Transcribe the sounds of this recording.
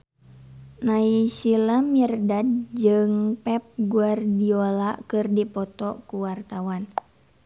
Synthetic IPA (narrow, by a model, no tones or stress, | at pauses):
naisilamirdad̚d͡ʒɨŋpɛp̚ɡuardiolakɨrdipɔt̪ɔkuwart̪awan